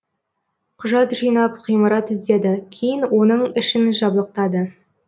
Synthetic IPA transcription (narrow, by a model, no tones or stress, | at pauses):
qʰʊʒɑt̪ʒijnɑpχijməɾɑt̪ɪzd̪e̞d̪ɪkʲʰejɪnwo̞nəɴɪʃɪnʒɑblˠəq̚t̪ɑd̪ə